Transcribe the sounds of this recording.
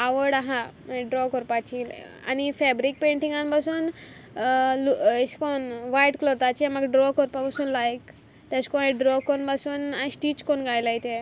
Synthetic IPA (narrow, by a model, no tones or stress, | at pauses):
aʋəɽaɦãmaɖɾɔkɔɾpat͡ɕila̰nifɛbɾik̚pẽɳʈĩŋɡanpasuːn | leɕkonʋajʈkloɾt̪at͡ɕemaɡɖɾɔkɔɾpapasuːnlajk | t̪aɕkoĩɖɾɔkɔnpasuːnasʈiːt͡ɕkonɡajlajt̪e